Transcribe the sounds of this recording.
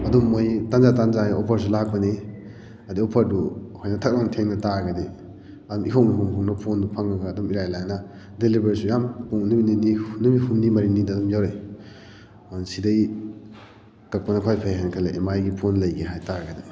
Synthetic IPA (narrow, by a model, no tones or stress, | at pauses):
ɐdumːojtanzatanzaɔpʰɐɾs̬ulak̚pɐni | ɐdiɔpʰɐɾduhojnɐtʰak̚maŋtʰeŋnɐtaɾɡɐde | ɐdumikʰawʔniɦuŋhuŋnɐpʰondupʰaŋaɡaːdumiɾajlajnɐ | delibeɾisujampuŋnubinininubihunːimɐɾiŋnidaːdumjawɾej | nsidɐj | kɐk̚pɐnɐkʰajpʰajɦankʰaleemajɡipʰonlɐjɡeɦajtaɾɡɐde